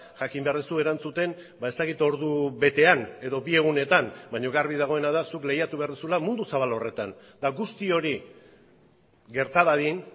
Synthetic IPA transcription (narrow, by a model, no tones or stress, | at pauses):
ʝakimbe̞aɾðesue̞ɾant͡sut̪e̞n | bae̞st̪akit̪o̞ɾðuβe̞t̪e̞ane̞ðo̞bie̞ɣune̞t̪anbajɲo̞ɣarβiðaɣ̞o̞e̞naðasukle̞jat̪uβe̞aɾðusulamund̪usaβalo̞re̞t̪an | d̪aɣust̪io̞ɾi | ɡe̞ɾt̪aβaðin